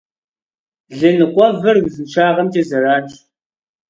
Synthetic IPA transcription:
ɮɨnɨqʷʼɔvɐrɡzɨnʃʰaːʁɐmtʰʼeːzɐraːt͡ʃʼ

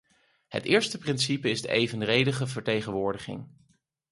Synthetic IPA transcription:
hə̰tɪːɹstəprɪnsipəɪzdə̰ʔejvənrejdəχəvəɹtejχənʋʊːɹdəχɪ̰ŋ

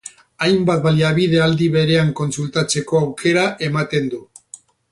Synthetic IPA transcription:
ajmbat̪̚baliaβ̞iðe̞ald̪iβe̞ɾe̞aŋko̞nsult̪at͡se̞ko̞awke̞ɾaʔe̞mat̪e̞nd̪u

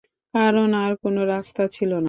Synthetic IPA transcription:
kaɾonaɾkonoɾast̪at͡ɕʰilona

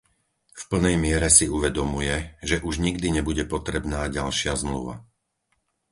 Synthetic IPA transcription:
fpl̩nɛjmɪɛɾɛsiuʋɛd̪ɔmujɛʒɛʔuʒɲiɡd̪iɲɛbuɟɛpɔt̪ɾɛbnaːɟalʃɪazmlṵʋa̰

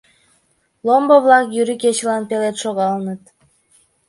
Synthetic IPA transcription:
lˠomboβlˠɑkjyɾiket͡ɕlɑnpelet̪ʃoɣɑlnət̪

